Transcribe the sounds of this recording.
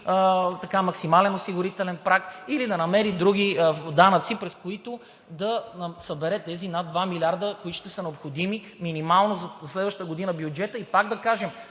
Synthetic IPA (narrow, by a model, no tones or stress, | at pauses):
t̪ɐkamɐksimalɛnosiɡʊɾit̪ɛlɛnpɾakilid̪ɐnɐmɛɾid̪ɾuɡ̟id̪anət̪sipɾɛskoit̪oʊ | d̪ɐnsɐbɛɾɛt̪ɛzinad̪d̪vamilʲaɾd̪əkoit̪ʊʃt̪ɛsənɛopxod̪imi | minimalˠnozzslɛd̪vəʃt̪t̪əɡoʊd̪inəbjʊd͡ʒɛt̪əipaɡd̪ɐkaʒɛm